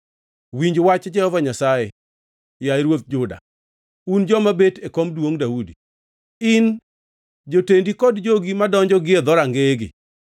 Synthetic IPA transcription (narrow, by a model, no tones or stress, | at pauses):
wiɲd͡ʒwat͡ʃd͡ʒɛhɔvaɲasaje | jaeɾwot̪̚d͡ʒʊda̰ | und͡ʒɔmabetekomdwoŋdaudi | ɪn | d͡ʒotendikɔdd͡ʒoɡimadɔɲd͡ʒɔɡɪed̪ɔɾaŋɡeɡɪ̰